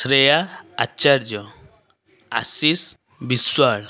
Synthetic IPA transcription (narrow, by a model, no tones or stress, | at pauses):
sɾejaat͡ʃaɾd͡ʒɔ | a̰sis | biswaɽ